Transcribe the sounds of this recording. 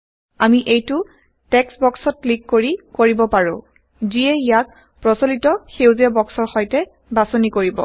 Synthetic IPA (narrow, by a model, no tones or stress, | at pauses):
amiʔejtʊ | tɛksbɔksɔt̚klikːoɹikoɹibɔpaɹʊ̃ | ziɛijak̚ | pɹɔsolitɔxewziabɔksɔɹxɔjtɛ | basɔnikoɹibɔ̰